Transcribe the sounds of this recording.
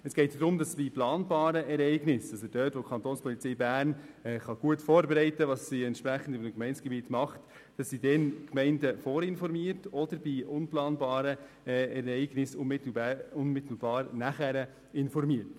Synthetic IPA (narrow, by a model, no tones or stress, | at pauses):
əsɡ̥ɛɪtd̪ɾʊmdɑsb̥iplɑːnbɑːɾəɛɾɛɪɡnɪsɑsəd̥œːtʋɔkʰχɑnt̪oːnspʰɔlit͡sɛɪbæːrnɛːχɑɡ̥uətfɔːɾbɛɾɛɪtəʋɑsːiɛntʃpɾæχən̩dɪməkmɛɪnsɡ̥ɛbiːtmɑχt | d̥ɑsːidɛnkmɛɪndəfɔːɾɪnfɔɾmiəɾtɔdəɾb̥iʊnplɑːnbɑːɾə | ɛɾɛɪɡ̥nɪsʊnmɪtl̩ʊnmɪt̪l̩b̥ɑːɾnæχæɾə | ɪnfɔɾmiət